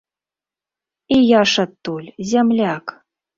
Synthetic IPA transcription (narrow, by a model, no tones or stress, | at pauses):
ijaʂat̪ːulʲzʲamlʲak